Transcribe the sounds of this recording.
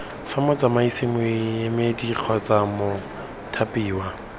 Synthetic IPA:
famɔt͡sʼamaisɪmʊjemediq͡χʰɔt͡samo | tʰapiːwa

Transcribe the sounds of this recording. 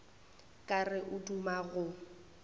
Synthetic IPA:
kʼarɪʔʊdumaɣʊ

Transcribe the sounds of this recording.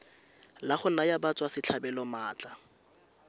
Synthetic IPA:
laχʊnajabat͡sʼwasɪt͡ɬʰabɛlɔmaːt͡ɬʼa

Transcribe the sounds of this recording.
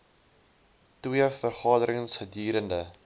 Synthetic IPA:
twiəfərχɑːdəɾəŋsχədiːɾəndə

